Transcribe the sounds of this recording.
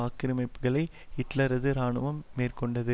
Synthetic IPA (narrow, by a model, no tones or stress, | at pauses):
aːkːɪɾɪmɐɪpːɯɣɐɭɐɪ | hɪʈlɐɾɐðɯɾaːnɯʋɐmːeːrkɔɳɖɐðɯ